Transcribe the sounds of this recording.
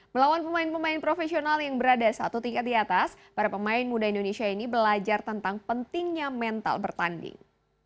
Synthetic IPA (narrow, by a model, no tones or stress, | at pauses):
məlawanpəmaɪnpəmaɪnpɾofesionaljaŋbəɾadasa̰t̪ut̪iŋkat̪̚diat̪as | paɾapəmaɪnmudaindonesiainibəlad͡ʒart̪ənt̪aŋpənt̪ɪŋɲamɛnt̪a̰lbərt̪andɪ̰ŋ